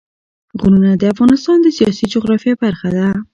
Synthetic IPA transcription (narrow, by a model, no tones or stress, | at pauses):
ɣununad̪əafɣɑnɪst̪ɑnd̪əsijɑsid͡ʒʊɣɾɑfjɑbaɾxad̪a